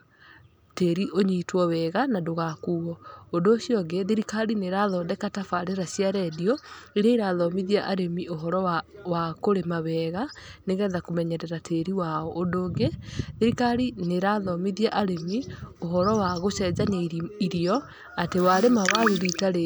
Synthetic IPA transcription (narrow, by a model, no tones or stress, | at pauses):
teɾiʔoɲitwɔwɛɣanadoɣakuːɣɔondoːɕjɔɡeðeɾikaɾineɾaðɔdɛkatafaɾeɾasijaɾɛdiɔiɾaiɾaðɔmiðiaʔaɾemioɦɔɾɔawakoɾemawɛːɣaneɣɛðakomɛɲɛɾɛɾatʰeɾiwaɔʔondoːɡeðeɾikaɾineɾaðɔmiðiaʔaɾemioɦɔɾɔwaɣosɛd͡ʑaɲaiɾiɔ | atewaɾemawaðuɾitaɾe